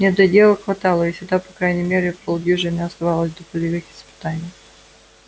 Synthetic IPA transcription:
nʲɛd̪ʲɐdʲelˠəxvɐt̪alˠəɪsʲɪɡd̪apɐkɾajnʲɪmʲeɾʲɪpolˠɡʲiʐɨnʲɪɐst̪ɐvalˠəsʲd̪əpəlʲɪvɨxɪ̥spɨ̥t̪anʲɪj

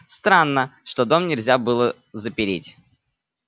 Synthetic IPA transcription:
st̪ɾanːəʂt̪od̪o̞mnʲɪlʲzʲabɨlˠə | zəpʲɪɾʲitʲ

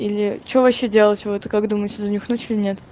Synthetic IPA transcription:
ilʲɪt͡ɕovɐɕːedʲelˠətʲvot̪kakd̪uməjɪt̪sʲəzəmʲɪxnutʲɪlʲɪnʲet̪

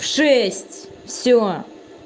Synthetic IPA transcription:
fʂɛsʲtʲ | fsʲo

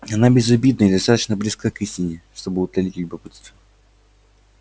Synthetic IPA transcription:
ɐnabʲɪzɐbʲid̪nəid̪ɐst̪at̪ə̥t͡ɕnəblʲɪskakɨsʲtʲɪnʲɪʂt̪obɨʊt̪lʲɐlʲitʲlʲʊbɐpɨt̪st̪və

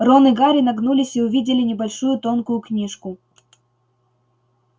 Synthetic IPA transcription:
ronɨɡaɾʲɪnɐɡnulʲɪsʲiʊvʲidʲɪlʲɪnʲɪbɐlʲʂujʊt̪o̞nkʊjʊknʲiʂkʊ

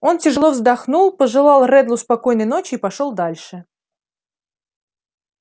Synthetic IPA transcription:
o̞ntʲɪʐɨlˠo̞vzd̪ɐxnulˠpəʐɨlˠɑlˠrɛd̪lˠʊspɐko̞jnəjnot͡ɕɪipɐʂolˠd̪alʲʂɨ

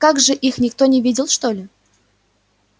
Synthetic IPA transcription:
kaɡʐɨʔixnʲɪkt̪o̞nʲɪvʲidʲɪlˠʂt̪olʲɪ

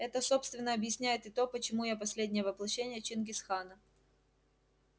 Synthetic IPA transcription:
ɛt̪əso̞pst̪vʲɪnːəɐbjɪsʲnʲæjɪt̪ɨt̪o̞pət͡ɕɪmujapɐsʲlʲedʲnʲɪjəvəplˠɐɕːenʲɪjət͡ɕɪnɡʲɪsxanə

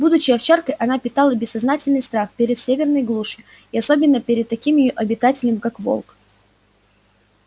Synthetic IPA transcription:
bud̪ʊt͡ɕɪjɐft͡ɕarkəjʔɐnapʲɪt̪alˠəbʲɪsːɐznatʲɪlʲnɨjst̪ɾaxpʲeɾʲɪt̪sʲevʲɪrnəjɡlˠuʂɨɪiɐso̞bʲɪnːəpʲɪɾʲɪd̪̚t̪ɐkʲimjɪjoʔɐbʲɪt̪atʲɪlʲɪmkakvo̰lˠk

